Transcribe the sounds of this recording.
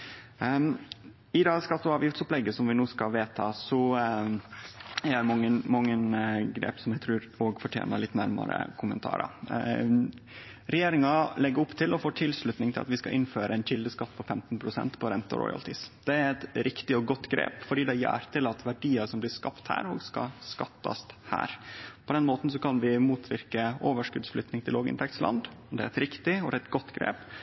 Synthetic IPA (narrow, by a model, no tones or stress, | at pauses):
ɪd̪ɑskɑt̪ːʊɑːʋjɪft̪sʊplɛɡːəsɔmʋɪnuːskɑlʋeːt̪ʰɑːsɔ | ææɾmɔəmɔŋːənɡɾḛːpsɔmjæɡt̪ʰɾʉːɾoːɡfɔʈʰjḛːnəɾɭɪt̪ːnæɾmɑ̰ɾə̰kʰʊmənt̪ʰɑ̰ːɾɑ̰ | ɾɛjeːɾɪŋɑlɛɡəɾɔpt̪ʰɪlɔfoːʈʰɪlslʉt̪nɪŋt̪ɪlɑ̰t̪ʋɪskɑʔɪnːføːɾəɛnçɪld̪əskɑt̪ːpʰɔfɛmt̪npʰɾʊsɛ̰nt̪pʰɔɾɛnt̪ə̰ɾɔ̰ʏɑ̰lt̪ʰɪsd̪̥ɛæɾɛt̪ɾɪkt̪ɪɔɡɔt̪ːɡɾḛːpfɔɖiːd̪ɛæjæ̰ːɾt̪ʰɪlɑt̪ʋæɖiːɑʂɔmblɪskɑpt̪hæ̰ːɾhoːɡskɑ̰skɑt̪ːɑ̰st̪hæ̰ːɾpʰɔd̪ɛnmoːt̪n̩s̬ɔkʰɑnʋɪmuːt̪ʰʋɪɾkəoːʋəʂkʉd̪sflʏt̪nɪŋt̪ʰɪloːɡɪ̰nt̪ʰɛkt̪slɑ̰nd̪ɔmd̪ɛæɾɛt̪ɾɪkt̪ɪɔd̪ɛɛt̪ɡɔt̪ːɡɾḛːp